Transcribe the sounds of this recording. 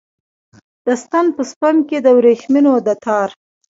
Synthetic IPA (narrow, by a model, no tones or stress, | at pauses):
d̪̥əst̪anpəspamked̪əwɾeʃminod̪ət̪ʰɑɾ